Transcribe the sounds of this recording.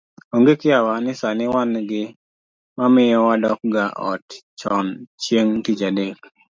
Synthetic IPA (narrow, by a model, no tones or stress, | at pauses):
oŋɡekɪawanɪsanɪwanɡɪ | mamɪjɔwadɔk̚ɡaʔɔ̰tt͡ʃɔnt͡ʃjeŋtit͡ʃadek̚